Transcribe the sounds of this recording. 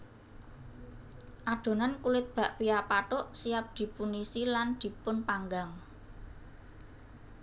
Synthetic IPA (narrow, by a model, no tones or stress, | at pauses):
ʔad̪̥o̤nankulɪt̪̚b̥a̤ʔwiapaʈʊʔsijap̚d̪̥i̤punisiland̪̥i̤pʊnpaŋɡaŋ